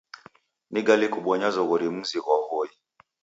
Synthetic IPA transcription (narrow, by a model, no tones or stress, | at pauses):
niɡalikuɓɔɲazɔɣɔɾimuziɣɔhɔi